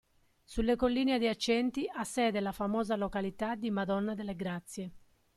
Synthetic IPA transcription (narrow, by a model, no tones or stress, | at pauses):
sulːekolːiːnead̪iat͡ʃːɛnt̪iasːɛːd̪ɛlafamɔːzalokalit̪ad̪imad̪ɔnːad̪elːeɡɾat̪sːje